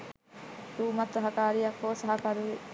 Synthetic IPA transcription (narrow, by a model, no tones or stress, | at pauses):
ɾuːmɐt̪ɾɐɦɐkaːɾijɐkːoːsɐɦɐkɐɾuʋe